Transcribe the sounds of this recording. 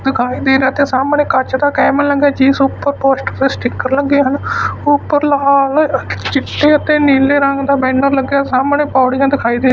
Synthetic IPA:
d̪ɪkʰaːiːd̪eːɾeːt̪eːsaːməɳeːkət͡ʃd̪aːkɛːmələɡjaːd͡ʒiːsʊpːəɾpoːsʈəɾd̪eːsʈɪkːəɾləɡeːɦənʊpːəɾlaːlt͡ʃɪʈːeːət̪eːniːleːɾəŋɡd̪aːbɛ̃ːɳəɾləɡjaːsaːmənẽːpaːɽid͡ʒãːd̪ɪkʰaːiːd̪eː

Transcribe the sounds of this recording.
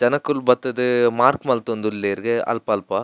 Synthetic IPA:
d͡ʒɐnɐkːulbɐt̪ːɐd̪ɯmaːɾkmɐlt̪ond̪ulːeːɾɡeɐ̰lpɐːlpɐ

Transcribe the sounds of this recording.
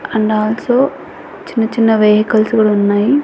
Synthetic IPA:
ɐɳɖaːlsoː | t͡ʃinːɐt͡ʃinːɐʋeːɦɐkɐlsuɡɐɽunːaːji

